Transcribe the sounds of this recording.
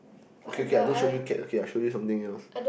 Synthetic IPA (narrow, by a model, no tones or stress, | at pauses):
okʰekeadõnʃojukɛo̰kʰeaɪʃojusʌ̃mt̪ɪ̃ŋɛls